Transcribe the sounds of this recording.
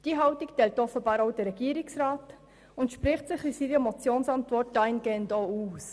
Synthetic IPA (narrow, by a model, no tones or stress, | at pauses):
d̥iːɦɑwtiktɛltɔfəbɑːɾoʊd̥əɾːɛɡiːɾɪksraːt | ʊntʃpɾɪχtsɪχisiːɾəmɔt͡sjoːnsɑntʋɔrt̚daɪnɡeːndɔːuːs